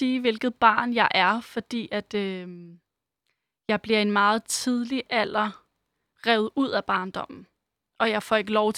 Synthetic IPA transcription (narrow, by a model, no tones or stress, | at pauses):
iːʋe̝lɡ̥ð̩ˠb̥ɑ̰̈ːnjɑ̈ɪʔæɐfɒ̽d̥ḭːæd̥ø | jɑ̈ɪb̥liɐe̝nmɑ̈ːð̞̩ˠt͡sʰiðˠliʔæl̰ɐ | ʁɛʊð̞̩ˠuð̞̰ˠæb̥ɑ̈ːnd̥ɒ̽m̰n̩ | ʔɒ̽jɑ̈ɪfɒ̰e̝ɡ̥əlɒʊt͡sʰ